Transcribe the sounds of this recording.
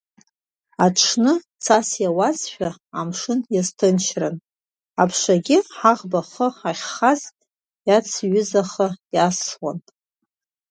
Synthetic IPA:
aʈ͡ʂʰnɨ | t͡sʰasjawazʃʷᶣaamʂɨnjaztʰɨnʃʰrɨn | apʰʂaɡʲɪħaʁbaχəaχʲχaztʼ | jat͡sʰɥʏzaχəjasʂwa̰nʼ

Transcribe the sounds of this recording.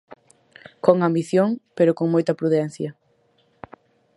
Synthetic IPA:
koŋambiθjoŋpeɾʊkoŋmojt̪ɐpɾuðɛn̟θjɐ

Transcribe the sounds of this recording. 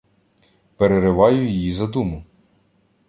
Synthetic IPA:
peɾeɾɪʋɑjʊjjizɐd̪umʊ

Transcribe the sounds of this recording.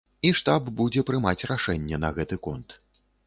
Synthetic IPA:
iʂt̪abbud͡zʲɛpɾɨmat͡sʲraʂɛnʲːɛnɐɣɛt̪ɨkɔnt̪

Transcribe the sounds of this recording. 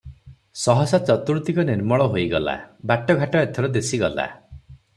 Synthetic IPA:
sɔɦɔsat͡ʃɔt̪uɾut̪ikɔniɾmɔɭɔɦojɡɔla̰baʈɔɡʱaʈɔet̪ʰɔɾɔd̪esiɡɔla̰

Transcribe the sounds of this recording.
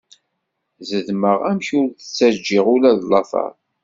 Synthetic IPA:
zəðməʁæmçʊɾθə̥t͡sːæd͡ʒːiʁʊlæðlːɑθɑ̰ɾˤ

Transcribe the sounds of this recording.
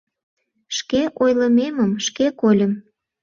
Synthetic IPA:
ʃkeʔojləmeməmʃkekolʲəm

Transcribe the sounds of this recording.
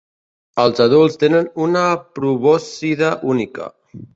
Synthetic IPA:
əlˠzaðulˠst̪enənunapɾuβɔsiðaʔunikə̰

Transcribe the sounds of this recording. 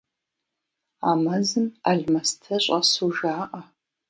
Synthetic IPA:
aːmɐzɨma̰ɮmɐstʰɐɕʼɐsuʒaːʔɐ

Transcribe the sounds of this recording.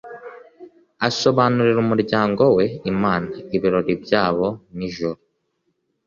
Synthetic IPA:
aso̞βanuɾiɾumuɾɟaːŋɡo̞we̞imaːnaiβiɾo̞ɾibɟaːβo̞niʒuɾo

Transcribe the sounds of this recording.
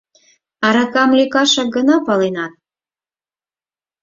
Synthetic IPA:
ɑɾɑkɑmlʲekɑʃɑk̚ɡə̆nɑpɑlenɑt̪̚

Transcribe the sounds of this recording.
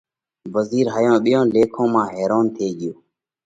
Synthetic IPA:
bəziːɾɦaːjõːɓɪjõːleːkʰõːmãːɦeːɾoːnt̪ʰeːɠɪjoː

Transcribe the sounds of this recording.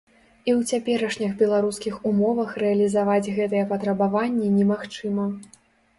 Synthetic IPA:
iwt͡sʲapʲɛɾɐʂnʲixbʲɛlˠaɾuskʲixumɔvɐxrɛɐlʲizavad͡zʲɣɛt̪ɨjɛpɐt̪ɾɐbavanʲːɛnʲɛmaxt͡ʂɨmɐ

